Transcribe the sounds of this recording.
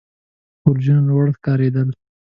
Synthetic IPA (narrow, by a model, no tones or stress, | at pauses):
ʊɾd͡ʒanwaɽkɑɾed̪əl